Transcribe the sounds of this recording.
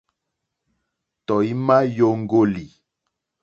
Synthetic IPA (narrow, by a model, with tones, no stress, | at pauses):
tɔ˨i˦ma˦jo˦ŋ˦ɡo˦li˨